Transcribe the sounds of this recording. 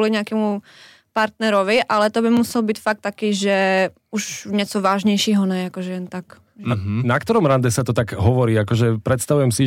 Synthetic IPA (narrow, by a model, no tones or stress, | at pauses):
ɔliɲɛakɛːmu | paɾt̪nɛɾɔʋiʔalɛt̪ɔbimusɛlbiːcfak̚t̪ːakiːʒɛ | uʃɲɛt͡sɔʋaːʒɲɛjʃiːɦɔnɛakɔʒɛjɛnt̪ak | nakt̪ɔɾɔmɾand̪ɛsat̪ɔt̪aɡɦɔʋɔɾiːakɔʒɛpɾɛt̪st̪aʋujɛmsi